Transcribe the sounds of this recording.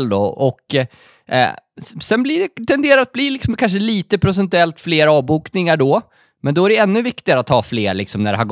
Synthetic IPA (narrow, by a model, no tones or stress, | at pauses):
ld̪ɔ̰ʔɔkː | sɛnblɪɖɛt̪ʰɛnd̪eːɾaɾat̪̚bliːlɪksɔmkʰanʂəliːt̪əpʰɾʊs̬ɛnt̪ɵɛlt̪fleːɾɑːvbuːknɪŋaɖɔ | mɛnd̪ɔæɖɛɛnːɵvɪkt̪ɪɡaɾat̪ʰːhɑːfleːɾɭɪksɔmnæɖɛɦaɾɡ